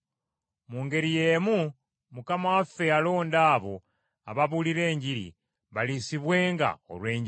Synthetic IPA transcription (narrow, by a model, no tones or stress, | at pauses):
muːŋɡe̞ɾijeːmu | mukamawafe̞alo̞ːndaːβo̞ | a̰βaβuliɾe̞ːɲɟiɾḭ | βalisiβwe̞ːŋɡa̰o̰lwe̞ːɲɟi